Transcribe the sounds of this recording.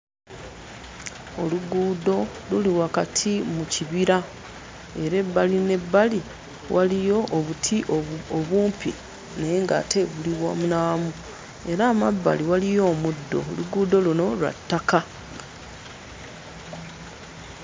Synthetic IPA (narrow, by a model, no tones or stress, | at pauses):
o̞luɡuːdo̞luliwakatʰimuciβiɾa | e̞ɾe̞bːaline̞bːali | wʔalijo̞ʔːβutʰiʔoβuːmpḭ | ne̞ŋɡa̰ːtʰe̞βuliβwa̰munaːmu | e̞ɾaːmabːa̰liwalijo̞ːmudːo̞̰luɡuːd̪o̞luno̞lwa̰tːaka